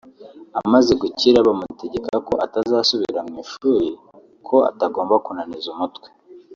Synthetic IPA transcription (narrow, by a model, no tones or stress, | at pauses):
amaze̞ɡuciɾaβamute̞ɟe̞kako̞ʔatazaːsuβiɾamŋiːʃuɾi | kʰo̞a̰taɡo̞ːmbakunanizumutkwe